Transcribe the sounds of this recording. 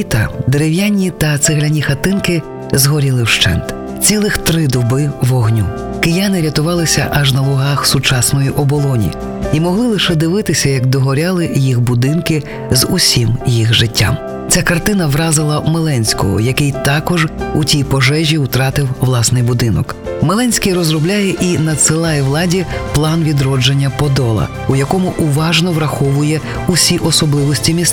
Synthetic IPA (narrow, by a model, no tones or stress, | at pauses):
t̪ɐd̪eɾewjanʲːit̪ɐt̪sɪɦlʲɐnʲixɐt̪ɪnkɪ | zɦɔɾʲilˠɪwʃt͡ʃɛ̰nt̪ | t͡sʲilˠɪxt̪ɾɪd̪ɔbɪʋɔɦnʲu | kɪjanɪɾʲɐt̪ʊʋɑlˠɪsʲɐ̰ʔɐʒnɐʋˠʊɦɑxsʊt͡ʃɑsnɔjiʔɔbɔlˠɔnʲḭ | imɔɦlˠɪlˠɪʃɛd̪ɪʋɪt̪ɪsʲɐjɐɡd̪ɔɦɔɾʲalˠɪjixbʊd̪ɪnkɪ | zusʲimjixʒɪtʲːa̰m | t͡sʲakɐrt̪ɪnɐʋɾɑzɪlˠɐmelˠɛnʲsʲkɔ̰ɦɔ̰jɐkɪjt̪ɑkɔʒutʲijpɔʒɛʒʲiut̪ɾɑt̪ɪwʋlˠɑsnɪjbʊd̪ɪnɔk | melˠɛnʲsʲkʲijrɔzrɔblʲajɛʔinɐt̪sɪlˠɑjɛʋlˠɑdʲiplˠɑnʋʲid̪ɾɔd͡ʒenʲːɐpɔd̪ɔlˠɐ̰ | ujɐkɔmʊʔuʋɑʒnɔʋɾɐxɔʋʊjɛ | usʲiʔɔsɔblˠɪʋɔsʲtʲimʲis